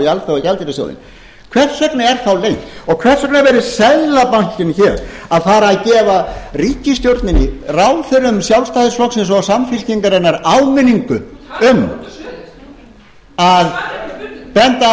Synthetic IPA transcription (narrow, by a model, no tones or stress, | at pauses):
ialθavacalt̪ɪɾɪsja̰wðɪ̰n | kʰvɛr̥t̪sœknɪɛɾ̥θawlejnt̪ɔɣkʰvɛr̥sœk̚naɾvɛɾɪsɛðlapaɲ̥cɪnçɛɾ̥aðfaːɾaːðcɛːvariːcɪst̪jowɾt̪nɪnɪrawlθœɾʏmsjawlst̪aːðɪɾsflɔksɛnsɔɣsamfɪl̥ciŋkaɾɛnːaɾawmɪnːiŋkʏʏm | að | pɛnt̪a